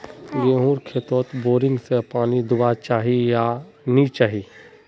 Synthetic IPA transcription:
jeɦũːɾkʰeːt̪oːt̪boːɾɪ̃ŋɡsepaːnid̪ʊbat͡ʃaːɦija | nit͡ʃaːɦiː

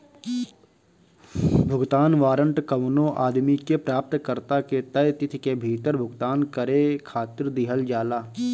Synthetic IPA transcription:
bʱʊɡt̪aːnʋaːɾə̃ɳʈkəʋnõʔaːd̪mikepɾaːp̚t̪kəɾt̪aket̪əjt̪ɪt̪ʰkebʱiːt̪əɾbʱʊɡt̪aːnkəɾekʰaːt̪ɪɾd̪ɪɦəld͡ʒaːlaː

